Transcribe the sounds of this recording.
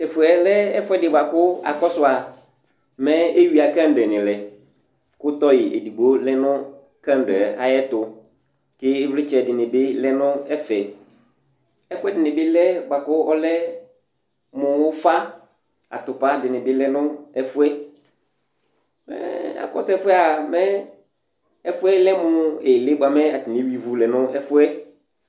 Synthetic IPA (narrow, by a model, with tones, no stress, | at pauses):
ɛ˨fʊ˨ɛ˨lɛ˦ɛ˦fʊ˦ɛ˦dɪ˨ba˨kʊ˦a̰˨kɔ˦sʊ˦a˨ | mɛ̃˦e˦wi˨a˨kã˦n˨ɖɛ˨nɪ̃˨lɛ˨ | kʊ˦t̪ɔ˦jɪ˨ʔḛ˨di˨ɡ͡bo˨˦lɛ˦nʊ̃˦ | kã˦n˦ɖɛ˨a̰˨jɛ˦tʊ˨ | kɪ˦ɪ˦vlɪ˦t͡ʃɛ˨dɪ˨nɪ̃˨bɪ˦lɛ˦nʊ̃˦ɛ˦fɛ˨ | ɛ˦fʊ˦ɛ˦dɪ˨nɪ˨bɪ˦lɛ˦ba˨kʊ˦ɔ˦lɛ˦ | mʊ˨wʊ˦fa˦ | a̰˨tʊ˨pa˦dɪ˨nɪ˨bɪ˦lɛ˦nʊ̃˦ɛ˦fʊ˦ɛ˦ | mɛ̰˦a̰˨kɔ˦sɛ˦fʊ˦ɛ˦a˨mɛ˦ | ɛ˦fʊ˦ɛ˦lɛ˦mʊ˦e˨lɪ˦bʊ˨a˨mɛ˦a˨tɪ˨i˨˦wi˨vu˨lɛ˨nʊ̃˦ɛ˦fʊ˦ɛ˦